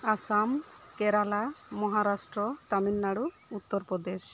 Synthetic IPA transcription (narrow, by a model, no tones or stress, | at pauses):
asamkɛɾalamɔɦaɾasʈɾɔt̪aminːaɽu | ut̪ːɔɾpɾɔd̪eʃ